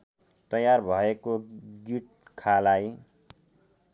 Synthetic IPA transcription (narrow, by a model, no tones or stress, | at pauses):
t̪ʌjarbʱʌekoɡiʈ̚kʰalaj